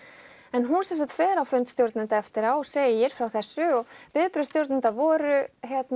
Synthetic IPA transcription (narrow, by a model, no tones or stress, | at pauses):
ɛnɦunsɛnsakt̪fɛːɾawfʏnt̪st̪jowɾt̪nɪnt̪aɛft̪ɪɾawɔseːjɪjɪɾ̥fɾawθɛsːʏɔpɪðpɾʏst̪jowɾt̪nɪnt̪avɔːɾʏçɛt̪n